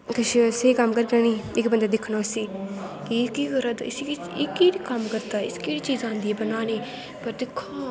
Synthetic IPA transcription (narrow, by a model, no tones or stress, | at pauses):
kəʃsekəmkəɾɡaːniːɪkbənd̪aːd̪ɪkʰnoːsiː | kikiːɡəɾad̪ɪsi | ikiːɽiːkəmkəɾd̪aːɪskeːɽiːt͡ʃiːzãːnd̪iːɛːbənaːniː | pəɾd̪ɪkʰːoː